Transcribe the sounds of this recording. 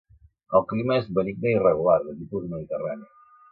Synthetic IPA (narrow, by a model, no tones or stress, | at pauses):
əlˠkliməezβənik̚d̪əirəɣ̞ulaɾðət̪ipuðəməðit̪ərani